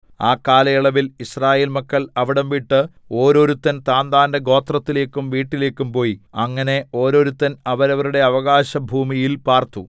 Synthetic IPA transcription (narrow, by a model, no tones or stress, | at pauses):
aːkːaːlɐjiɭɐʋiliɕraːjeːlmɐkːɐɭɐʋiɽɐmʋiʈːɨ | o̞ːɾo̞ɾut̪ːɐnt̪aːnd̪aːnde̞ɡo̞ːt̪rɐt̪ːile̞ːkːumʋiːʈːile̞ːkːumpo̞ːjiɐŋːɐne̞o̞ːɾo̞ːɾut̪ːɐnɐʋɐɾɐʋɐɾuɽe̞ɐʋɐɣaːɕɐbʱuːmijilpaːrt̪u